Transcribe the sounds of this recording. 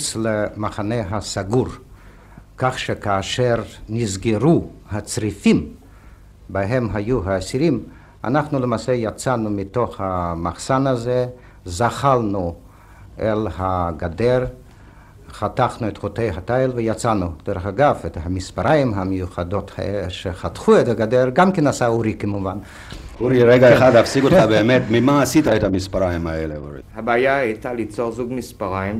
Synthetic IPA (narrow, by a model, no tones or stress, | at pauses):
t͡slemaχaneɦasaɡuɾ | kaχʃekaːʃeɾnizɡeɾuhat͡sɾifim | baɦemɦajuɦaːsiɾim | a̰naχnulemaːsejat͡sanumit̪o̞χhamaχsanaze | zaχalnu | elhaɡad̪eɾ | χat̪aχnuet̪χot̪ejɦatajlvejat͡sanud̥̪eɾeχaɡavethamispaɾajimɦamejuχado̞t̪ha̰eleʃeχat̪χuet̪aɡad̪eɾɡamkenasauɾikemuvan | uɾiɾeɡaeχad̪afsiɡotχabeːmet̪mimaːsit̪aet̪hamispaɾaimaeleṵɾḭhabaːjaajt̪alit͡soʁzuɡmispaʁajim